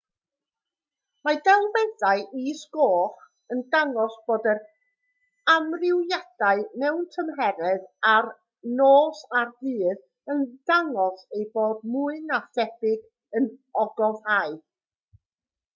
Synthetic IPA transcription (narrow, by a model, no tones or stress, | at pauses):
madɛlˠmɛðaɨʔisɡoːχ | əndaŋɔsb̥oːdər | amrɪwjad̥aɨmɛwntʰəmɦɛɾɛðar | noːsarðɨːð | ənd̥aŋɔsejboːdmʊɨnaθɛdɪɡ | ənɔɡɔvhaɨ